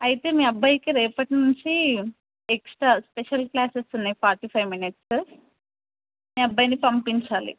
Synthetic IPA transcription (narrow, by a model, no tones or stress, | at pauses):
ɐjit̪eːmiːɐbʱːajkiɾeːpɐʈnuɲt͡ʃi | eksʈɾaːspeʃɐlklaːsesunːaipʰaːɾʈipʰɐjʋminiʈs | miːɐbʱːaːjnipɐmpiɲt͡ʃaːlḭ